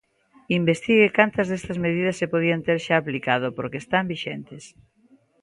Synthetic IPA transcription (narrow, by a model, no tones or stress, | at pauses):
imbest̪iɣekant̪ɐzðest̪ɐzmeð̞ið̞ɐsːepoð̞iant̪eɾʃaːplikað̞opoɾkeːst̪ambiʃent̪es